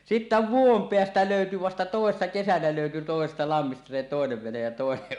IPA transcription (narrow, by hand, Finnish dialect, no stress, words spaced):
sitːæ ʋuom peæstæ løˑyty ʋɑstɑ toˑesːɑ kesænæ løˑyty toˑesestɑ lɑmːistɑ se toˑeneʋ ʋenej jɑ toˑeneʔ